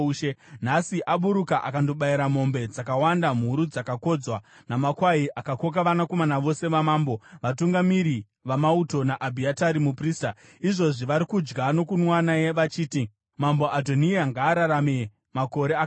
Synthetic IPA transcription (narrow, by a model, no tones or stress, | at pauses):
ʃenasiʔaɓuɾukaʔakando̞ɓaiɾamo̞mbe̞d͡zakawandam̤uɾud͡zakako̞d͡zwanamakwaiʔakako̞k̬aʋanako̞manaʋo̞se̞ʋamaːmbo̞ʋatuŋɡamiɾi | ʋamauto̞naʔabʱiataɾimupriːsta | iʐo̞ʐiʋaɾikud͡ʒɡano̞kunwanajeʋat͡ʃiːti | mamboʔado̞niaŋɡaːɾaɾame | mako̞ɾea